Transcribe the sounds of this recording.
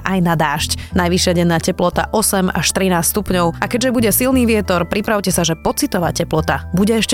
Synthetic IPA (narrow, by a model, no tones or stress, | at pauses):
ʔajnad̪aːʃcnajʋiʃɪaɟɛnːaːcɛplɔt̪a̰ʔɔsɛma̰ʃt̪ɾinaːst̪st̪upɲɔʊakɛɟʒɛbuɟɛsilniːʋɪɛt̪ɔɾpɾipɾaʊcɛsaʒɛpɔt͡sit̪ɔʋa̰cɛplɔt̪a̰buɟɛɛʃc